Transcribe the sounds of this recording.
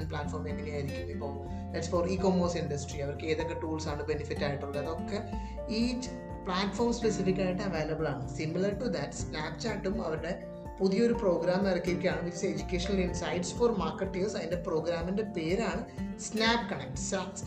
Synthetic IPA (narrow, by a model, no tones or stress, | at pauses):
nplaːʈfoːɾmeŋːɐnijaːjɪɾɪkʲːumipːoː | d̪ɐʈsfɔɾiːkoːmɐːsɪɳɖɐsʈɾiɐʋɐɾkːeːðɐkːɐʈuːlsaːɳɨbenɪfɪʈːaːjʈːɨʋɪɽɐðɔkːɐ | iːt͡ʃː | plaːʈfoːɾmspesɪfɪkːaːjɪʈːɐ̃ɐʋeːlɐbɐlaːɳɨsɪmɪlɐɾʈud̪ɐʈsnaːpt͡ʃaːʈːumɐʋɐɾɯɽe | pʊðɪjɐɔɾɯpɾoːɡɾaːmɐɾɐkːiɾikːaːɳɐɡitːised͡ʒukeːʂɐnɐlɪnsɐɪɖsfɔːɾmaːɾkɐʈːisɐðɪnd̪ɐpɾoːɡɾaːmɪndepeːɾaːɳɨsnaːpkɐɳɛk̚ʈsaːs